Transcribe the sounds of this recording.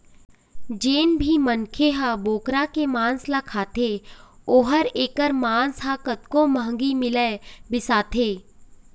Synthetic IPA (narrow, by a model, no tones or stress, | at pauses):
d͡ʒeːnbʱimənkʰeɦãboːkɾakemãːnslakʰaːt̪ʰeoːɦəɾeːkəɾmaːnsɦakət̪kõməɦə̃ŋɡimɪleːbɪsaːt̪ʰeː